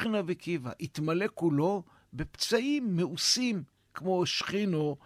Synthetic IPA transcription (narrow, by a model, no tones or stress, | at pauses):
inavikiva̰ʔit̪male̞kulo̞ | be̞pt͡saʔimːeusim | kmo̞ʃχino